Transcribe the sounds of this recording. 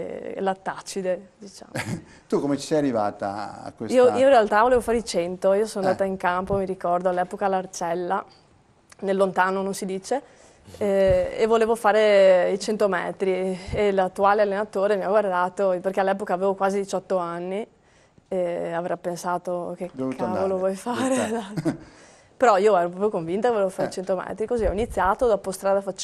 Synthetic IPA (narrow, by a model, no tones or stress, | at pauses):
lat̪ːat͡ʃid̪ed̪it͡ʃa̰ːm | t̪ukomet͡ʃi̥sɛjarːiva̰ːt̪a̰a̰kːwesiːoiːoĩrɾealt̪avolevofaːɾeit͡ʃɛnt̪oiːosonoand̪aːt̪aiŋkampomiɾikɔrd̪oalːɛːpokalːart͡ʃɛlːa | nelːont̪aːnononsid̪iːt͡ʃe | ɛevoleːvofaːɾeit͡ʃent̪omɛ̰ːt̪ɾielat̪ːuaːlealːenat̪oːɾemiaɡward̪aːt̪operkealːɛːpokaːveːvokwaːzid̪it͡ʃɔt̪ːoanːi | eavɾapːensaːt̪okekʰːavvolovwɔjfaːɾezat̪ː | peɾɔiːoɛːɾopɾɔpɾjokoɱvint̪okevoleːvofaːɾeit͡ʃent̪omɛ̰ːt̪ɾikoziɔinit̪sːjaːt̪od̪ɔpost̪ɾaːd̪afat͡ʃ